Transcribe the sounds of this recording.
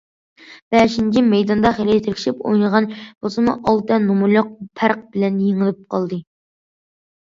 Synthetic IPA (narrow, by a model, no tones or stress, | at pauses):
b̥ɛʃint͡ʃʰimɛjd̪ɑnd̪ɑχelijt̪ʰɪɾkʰʲi̥ʃipo̰jnəʁɑnb̥ozɨmuʔɑlˠt̪ɛnumuloq̚pʰæɾq̚bɪlɛnjeŋɨlɨp̚qʰɑlˠd̪ɨ